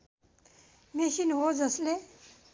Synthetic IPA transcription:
mesinɦod͡zʌsle

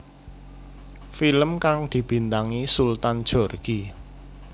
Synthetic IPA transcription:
filəmkaŋd̪̥i̤b̥i̤nt̪aŋisult̪and̥ʒ̥ɔ̤rɡ̥i

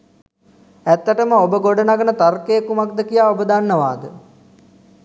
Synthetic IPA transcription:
æt̪ːəʈəməobəɡoɖənaɡənət̪arkejːkumak̚d̪əkijaːobəd̪anːəʋa̰ːd̪ə

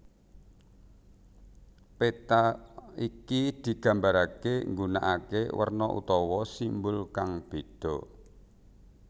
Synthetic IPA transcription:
pet̪aikid̪̥i̤ɡ̥ä̤mbaɾakeŋɡunaʔakewə̰rnɔʔṵt̪ɔwɔsimbʊlkaŋb̥e̤d̪̥ɔ̤

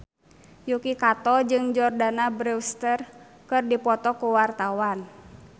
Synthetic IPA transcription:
jukikat̪ɔd͡ʒɨŋd͡ʒɔrdanabɾɛwst̪ər | kɨrdipɔt̪ɔkuwart̪awan

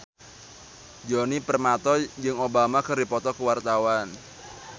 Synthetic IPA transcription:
d͡ʒɔnipərmat̪ɔd͡ʒɨŋobamakɨrdipɔt̪ɔkəwart̪awan

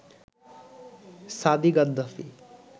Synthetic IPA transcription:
sad̪iɡɐd̪ːɐfi

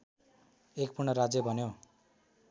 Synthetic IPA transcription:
ek̚purnʌɾad͡zjʌbʱʌnjo

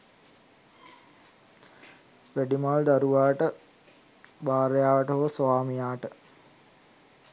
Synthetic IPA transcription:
ʋæɖimald̪aɾuʋaːʈə | baːɾəjaːʋəʈəɦoʋsʋaːmijaːʈə

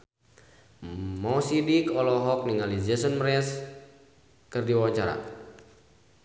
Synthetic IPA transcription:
mɔsidikɔlɔɦɔk̚niŋalid͡ʒɛsɔnmɾɛs | kɨrdiwawaɲt͡ʃaɾa̰

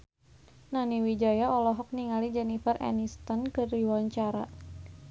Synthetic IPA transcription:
naniwid͡ʒajaɔlɔɦɔk̚niŋalid͡ʒɛnifərʔɛ̰nist̪ɔnkədiwaɲt͡ʃaɾa

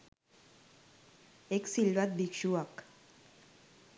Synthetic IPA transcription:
eksilʋat̪̚bikʃuak

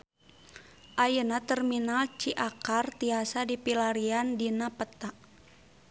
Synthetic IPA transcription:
ʔajənat̪ərminalt͡ʃiʔakart̪iasadipilaɾiandinapət̪aʔ

